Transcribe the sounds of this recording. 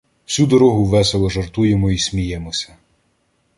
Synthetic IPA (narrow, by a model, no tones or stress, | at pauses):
wsʲud̪ɔɾɔɦʊʋɛselˠɔʒɐrt̪ujemɔisʲmʲijɛmɔsʲɐ̥